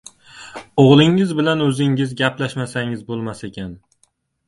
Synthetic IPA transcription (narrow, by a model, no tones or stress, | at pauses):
oʁlˠɪŋɪzbɪlanɵzɪŋɪzɡʲaplaʃmasaŋɪzbolˠmasekʲan